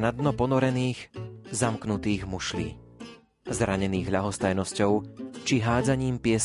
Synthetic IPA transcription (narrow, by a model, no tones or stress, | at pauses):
nad̪nɔpɔnɔɾɛniːɣzamknut̪iːɣmuʃlḭː | zɾaɲɛniːɣɦʎaɦɔst̪ajnɔscɔʊt͡ʃiɦaːd͡zaɲiːmpɪɛs